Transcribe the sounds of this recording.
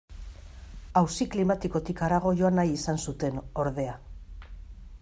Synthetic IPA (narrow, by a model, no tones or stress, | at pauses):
awsiklimat̪iko̞t̪ikaɾaɣ̞o̞jo̞anajisansut̪e̞no̞ɾðe̞a